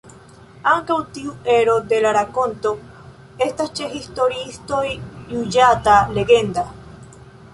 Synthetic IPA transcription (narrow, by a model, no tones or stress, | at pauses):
aŋkawt̪iweɾod̪elaɾakont̪o | est̪ast͡ʃexist̪oɾist̪ojjuʝat̪aleɣend̪a